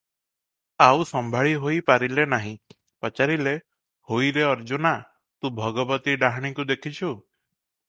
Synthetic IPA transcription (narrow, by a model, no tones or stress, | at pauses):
awsɔmbʱaɭiɦojpaɾilenaɦĩ | pɔt͡ʃaɾile | hojɾeɔɾd͡ʒuna | t̪ũbʱɔɡɔbɔt̪iɖaɦɽ̃ikud̪ekʰit͡ʃʰu